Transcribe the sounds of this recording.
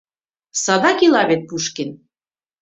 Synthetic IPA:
sɑd̪ɑkilɑβet̪̚puʃken

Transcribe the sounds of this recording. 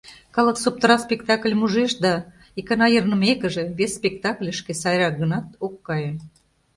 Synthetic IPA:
kɑləksop̚t̪ɾɑspʲekt̪ɑklʲmuʒeʃd̪ɑ | ikɑnɑjərnə̆mekə̆ʒĕβesːpʲekt̪ɑklʲəʃkesɑjɾɑk̚ɡə̆nɑt̪okːɑje

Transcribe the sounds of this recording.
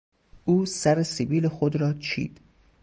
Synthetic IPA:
ʔuːsæɾesibiːlexod̪ɾɒːt͡ʃʰḭːd̪̥

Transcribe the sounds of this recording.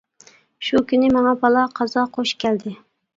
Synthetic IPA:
ʃukʲynɪmɑŋɑpɑlˠɑqʰɑzɑqʰoʃkʲʰæld̪ɪ

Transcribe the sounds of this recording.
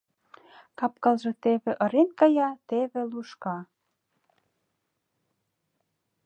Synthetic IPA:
kɑp̚kɑlʒɤ̆t̪eβĕʔɤ̆ɾenkɑjɑt̪eβĕluʃkɑ

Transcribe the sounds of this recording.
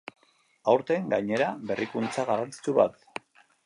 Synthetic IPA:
awɾt̪e̞ŋɡajɲe̞ɾabe̞rikunt͡saɣarant͡si̥t͡ʃuβa̰t̪

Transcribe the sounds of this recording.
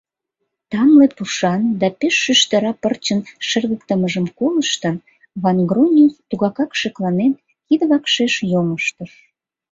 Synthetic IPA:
t̪ɑmlepuʃɑnd̪ɑpeʃːyʃt̪əɾɑpərt͡ɕənʃerɣəkt̪əməʒəmkoləʃt̪ə̆ | βɑnɡronʲut̪uɣɑkɑkʃeklɑnen | kid̪βɑkʃeʃjoŋəʃt̪əʃ

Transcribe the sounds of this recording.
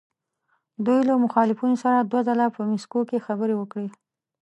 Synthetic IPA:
d̪ujlamʊxɑlɪfunosaɾad̪wazalapəmɪskokexabəɾewəkɽe

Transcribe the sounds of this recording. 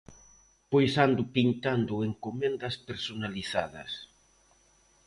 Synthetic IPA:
pojsand̪ʊpint̪and̪ʊeŋkomɛ̃nd̪ɐspeɾsonaliθa̰ðɐ̰s

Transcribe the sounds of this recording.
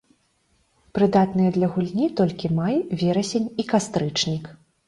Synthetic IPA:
pɾɨd̪at̪nɨjɐd̪lʲɐɣulʲnʲit̪ɔlʲkʲimajvʲɛɾɐsʲenʲikast̪ɾɨt͡ʂnʲik

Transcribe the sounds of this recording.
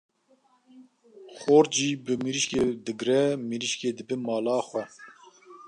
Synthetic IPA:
xoːɾd͡ʒiːbɨmiɾiʃked̪ɨɡɾɛmiɾiʃkeːd̪ɨbɨmɑːlɑːxʷɛ

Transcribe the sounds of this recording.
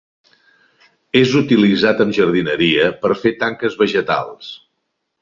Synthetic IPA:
ezut̪ilizat̪əmʒəɾð̞inəɾiəpəɾfet̪aŋkəzβəʒət̪a̰lˠs

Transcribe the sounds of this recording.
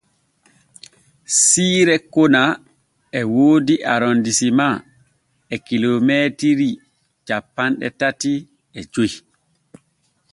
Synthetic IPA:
siːɾɛkona | ɛwoːdiʔaɾondisima | ɛkilomɛtiɾi | t͡ʃapːanɗɛ̰tati | ɛd͡ʒoji

